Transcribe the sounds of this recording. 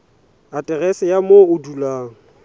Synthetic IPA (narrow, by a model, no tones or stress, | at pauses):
atʼɛrɛsɪjamoʊdulaːŋ̩